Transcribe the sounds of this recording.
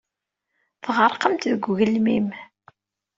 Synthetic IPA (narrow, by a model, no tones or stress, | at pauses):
θʁəɾˤqəmt̪ðəɡʷɣəlmim